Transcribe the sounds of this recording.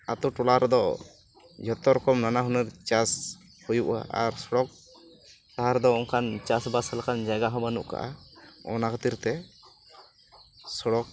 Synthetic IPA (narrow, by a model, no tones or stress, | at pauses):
at̪ɔʈɔlaɾɛd̪ɔ | d͡ʒʱɔt̪ɔɾɔkɔmnanaɦɔnɛɾt͡ʃas | hujuʔa̰a̰ɾsɔɽɔk̚ | t̪aɦaɾɛd̪ɔɔŋkʰant͡ʃasbasɛlakand͡ʒaɡaɦɔbanṵʔka̰ʔa̰ɔ̰nakat̪iɾt̪ɛ | sɔɽɔk̚